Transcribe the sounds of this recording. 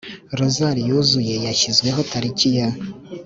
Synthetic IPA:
ɾozaɾijuzuje̞jaçizɡwe̞ɦotʰaɾicija

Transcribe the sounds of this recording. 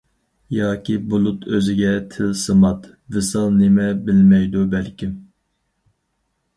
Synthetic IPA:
jɑːkʲibulˠut̪ʰøzɪɡʲɛt̪ʰɪlsɨmɑt̪ | vɨsɑlˠnemɛbɪlmɛjd̪ubælkʲim

